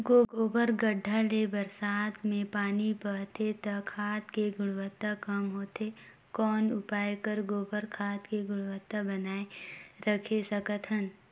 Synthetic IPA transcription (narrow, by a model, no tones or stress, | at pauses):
ɡoːɡoːbəɾɡəɖʱːalebəɾsaːt̪mẽpaːnipət̪et̪ɐkʰaːt̪keɡʊɽwət̪ːakɐmɦoːt̪e | kɔːnʊpaːekəɾɡoːbəɾkʰaːt̪keɡʊɽʋət̪ːabənaːeɾəkʰesɐkət̪ʰɦən